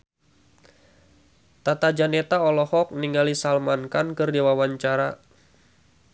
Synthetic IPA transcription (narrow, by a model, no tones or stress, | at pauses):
t̪at̪ad͡ʒanet̪aɔlɔhɔk̚niŋɡalisalmankankərdiwawaɲt͡ʃaɾa